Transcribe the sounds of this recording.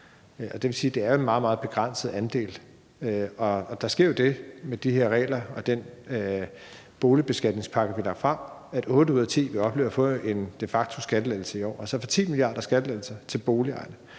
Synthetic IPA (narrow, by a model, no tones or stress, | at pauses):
ʔɒ̽d̥e̝ʋe̝siːd̥e̝æɐjoe̝nmɑ̈ːð̩ˠmɑ̈ːð̞̩ˠb̥e̝ɡ̥ʁan̰səð̩ˠænd̥e̝̰ːl | øɒ̽ɒ̽d̥ɑ̈sɡ̥e̝ɐ̰jo̝d̥e̝med̥iheɐʁɛ̰ːlɐɒ̽d̥en | b̥o̝ːlib̥e̝sɡ̥æd̥ne̝ŋspʰɑ̈ɡ̥əʋilɑ̈ɡ̥fʁɑ̈m̰æd̥oːuð̞̰ˠɐt͡sʰḭːʋeɒ̽b̥le̝ːʊɐfɔ̰̽e̝nd̥e̝fɑ̈ɡ̥t͡sʰo̝sɡ̥æd̥əleð̰l̩səiɒ̰ːælsɒfɒ̽t͡sʰḭːmilijɑ̰̈ːd̥ɐsɡ̥æd̥əleð̰l̩sɐt͡sʰe̝lb̥o̝ːliɑ̈ɪnə